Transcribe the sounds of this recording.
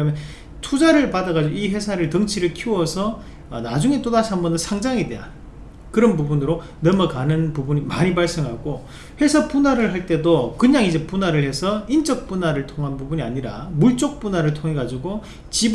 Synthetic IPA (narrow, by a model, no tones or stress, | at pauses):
kɯɾʌmjʌn | tʰud͡ʑaɾɯɭpadaɡad͡ʑiɡoiɸwe̞sʰaɾɯɭtʌŋt͡ɕʰiɾɯɭkʰiwʌsʰʌː | na̰d͡ʑuŋe̞t͈odaɕʰiambʌndɯnsʰaŋd͡ʑaŋedea̰n | kɯɾʌnbubunɯɾo | nʌmʌkanɯnpubuɲima̰ɲibaɭs͈eŋɦaɡo | ɸwe̞sʰapunaɾɯɭɦaɭt͈e̞dokɯɲaŋid͡ʑe̞punaɾɯɭhe̞sʰʌint͡ɕ͈ʌk̚p͈unaɾɯɭtʰoŋɦanbubuɲiaɲiɾa̰muɭt͡ɕ͈ok̚p͈unaɾɯɭtʰoŋɦe̞ɡad͡ʑiɡo | t͡ɕib